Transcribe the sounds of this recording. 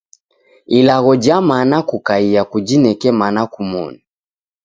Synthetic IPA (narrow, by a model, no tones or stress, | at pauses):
ilaɣɔd͡ʒamanakukaijakud͡ʒinɛkɛmanakumɔ̰ni